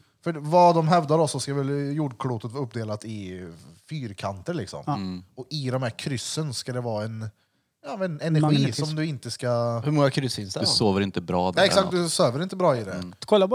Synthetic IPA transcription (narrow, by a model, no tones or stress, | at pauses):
fœvad̪ɔmɦɛvd̪aɾɔsːɔskavɛljuːɖkʰluːt̪ət̪vɑːɵp̚ːd̪eːlat̪ɪfyːɾkʰant̪əɾɭɪksɔ̰mɔɪd̪ɔmhæɾkʰɾʏsːənskad̪ɛvɑːɛn | jɑːmɛnɛnæɾɧiːsɔmd̪ɵɪnt̪əskahɵɾmɔŋakʰɾʏsɪnsd̪ɛsoːvəɾɪnt̪əbɾɑːd̪ɛɛksakt̪̚d̪ɵsøːvəɾɪnt̪əbɾɑːɪd̪ɛ̰kʰɔlːa